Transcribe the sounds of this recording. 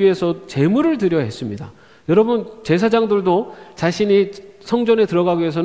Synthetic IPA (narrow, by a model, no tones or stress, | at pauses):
iɦe̞sʰʌt͡ɕe̞muɾɯɭtɯɾjʌɦe̞s͈ɯmɲida | jʌɾʌbɯnt͡ɕe̞s̬ʰad͡ʑaŋdɯɭdot͡ɕaɕʰiɲisʰʌŋd͡ʑʌne̞tɯɾʌɡaɡies̬ʰʌn